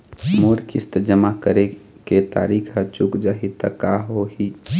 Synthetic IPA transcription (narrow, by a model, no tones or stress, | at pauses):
moːɾkist̪əd͡ʒəmakəɾe | ket̪a̰ːɾiːkʰɦət͡ʃukd͡ʒaɦit̪əkːaɦoɦi